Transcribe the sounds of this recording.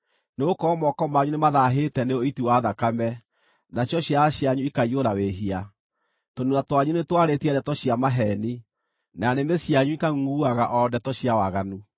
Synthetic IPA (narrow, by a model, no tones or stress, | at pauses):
neokɔmɔkɔmaɲunemaðaɦetɛneoitiwaðakamɛ | naɕjɔɕjaɕjaɲuikaioɾaweɦia | tonuatwaɲunetwaɾetiɛɾɛtɔɕiamaɦɛni | nanemesiaɲuikaŋɡuaɣaʔɔdɛtɔɕiawaɣanu